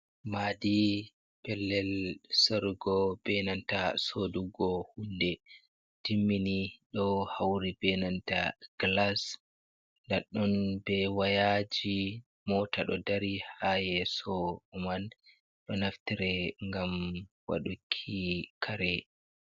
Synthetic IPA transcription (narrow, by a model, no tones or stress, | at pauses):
maːdi | b̥ɛlːɛlsɔɾɡɔb̥ɛnantasoduɡɔhundɛ | d̥imːiniɗɔhawɾibɛnanta̰ɡ̥las | ndaɗɔnbɛwajad͡ʒi | mɔːtaɗɔdaɾihajɛsɔuman | ɗɔnaftiɾɛŋɡam | wa̰ɗukʰːikʰaɾɛ